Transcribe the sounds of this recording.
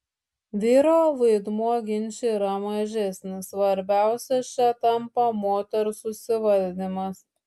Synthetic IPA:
ʋʲiːɾoːʋɐɪd̪muɔɡʲɪnʲt͡ʃʲeiːɾɐmɐʒʲɛsʲnʲɪsʋɐɾʲbʲæˑʊsʲɛt͡ʃʲɛt̪ɐmpɐmoːt̪ʲɛɾsʊsʲɪʋɐlʲd̪ʲɪmɐs

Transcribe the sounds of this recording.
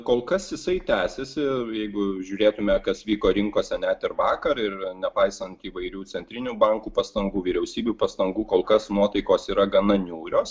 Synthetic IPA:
koːlˠkɐsjɪsɐɪt̪ʲæːsʲɛsʲɪjɛɪɡʊʒʲʊːɾʲeːt̪ʊmʲɛkɐsʋʲiːkoːɾʲɪŋkoːsʲɛnʲæt̪ɪɾʋɑːkɐɾɪɾnʲɛpɐɪsɐnt̪iːʋɐɪɾʲuːt͡s̪ʲɛnʲt̪ʲɾʲɪnʲuːbɐŋkuːpɐst̪ɐŋɡuːʋʲiːɾʲɛʊsʲiːbʲuːpɐst̪ɐŋɡuːkoːlˠkɐsnuɔt̪ɐɪkoːsiːɾɐɡɐnɐnʲuːɾʲoːs

